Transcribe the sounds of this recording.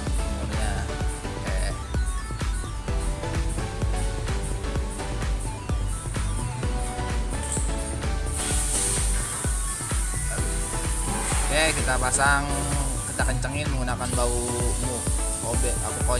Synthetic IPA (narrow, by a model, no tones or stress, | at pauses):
amaɲakɛ | kɛkit̪apasaŋkit̪akəɲt͡ʃəŋɪnməŋunakanbaumuobɛʔakuko